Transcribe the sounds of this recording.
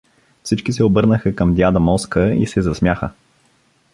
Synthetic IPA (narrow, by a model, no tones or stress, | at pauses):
fsit͡ʃkisɛobɤɾnəxəkəmd̪ʲjad̪ɐmɔskəḭsɛzɐsmʲjaxə